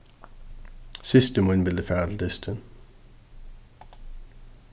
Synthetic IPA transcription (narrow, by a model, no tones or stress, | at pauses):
sɪst̪əmunbɪld̪əfæʁd̪l̩d̪ɪst̪ʰən